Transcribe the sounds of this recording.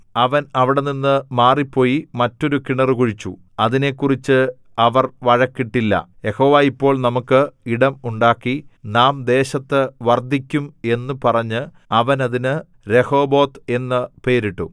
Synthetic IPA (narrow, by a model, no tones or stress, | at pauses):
ɐʋɐnɐʋiɽeninːɨmaːripːo̞ːjimɐtːo̞ɾukiɳɐrɨkuɻit͡ɕːṵ | ɐðine̞kːurit͡ɕːɨ | ɐʋɐrʋɐɻɐkːiʈːilːɐ̰je̞ho̞ːʋaːipːo̞ːɭnɐmukːɨiɽɐmuɳɖaːkːinaːmd̪e̞ːɕɐt̪ːɨʋɐrd̪ikʲːume̞nːupɐrɐɲːɨ | ɐʋɐnɐðinɨ | ɾe̞ho̞ːbo̞ːt̪e̞nːɐpe̞ːɾiʈːṵ